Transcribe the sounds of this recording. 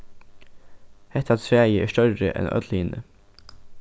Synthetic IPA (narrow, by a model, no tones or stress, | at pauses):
hɛt̪ɑt̪sɾæːjəʔeːʃtœɾəʔɛ̰nœ̰ːd̪liːnə